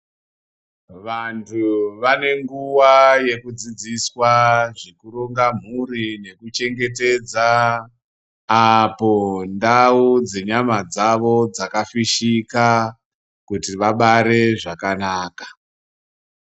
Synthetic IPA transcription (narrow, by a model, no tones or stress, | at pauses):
ʋantʰuʋane̞ŋɡuwaje̞kud͡zid͡ziswaʐikuɾoŋɡam̤uɾine̞kut͡ʃe̞ŋɡe̞te̞d͡za | po̞ndaud͡ze̞ɲamad͡zaʋo̞d͡zakafiʃika | kutiʋaɓaɾe̞ʐakanaːkḁ